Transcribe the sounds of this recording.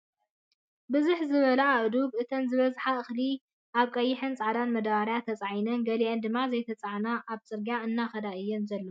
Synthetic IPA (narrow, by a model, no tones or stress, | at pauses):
bɨzuħzɨβɐlɐaʔd̪uɡʔɨt̪ʰɐnzɨβɐzħaɨxli | ʔaβkʼɐjːɪħɨnt͡sʼaʕd̪anmɐd̪aβaɾjat̪ʰɐt͡sʼaʕjnɐnɡɐliʔend̪ɨmːazɐjt̪ʰɐt͡sʼaʕnaʔːβt͡sʼɨɾɡaɨnːaxɐd̪aʔɨjːɛnzɐlːɐ